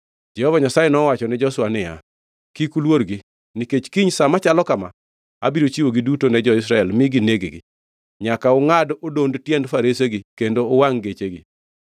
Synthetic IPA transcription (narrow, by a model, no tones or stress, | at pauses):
d͡ʒɛhɔvaɲasajenɔwat͡ʃɔnɪd͡ʒɔswanɪja̰ | kikulwoɾɡi | niket͡ʃkiɲsamat͡ʃalɔkama̰ | a̰biɾot͡ʃiwoɡidutonɛd͡ʒɔɪs̬ɾaɛlmɪɡineɡeɡɪ̰ | ɲakaʊŋadodondtjɛndfaɾeseɡikendoːwaŋɡet͡ʃeɡɪ̰